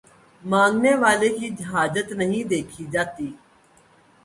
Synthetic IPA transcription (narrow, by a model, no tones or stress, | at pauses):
mãːŋɡneːʋaːleːkiːd͡ʒəɦaːd͡ʒət̪nəɦĩːd̪eːkʰiːd͡ʒaːt̪iː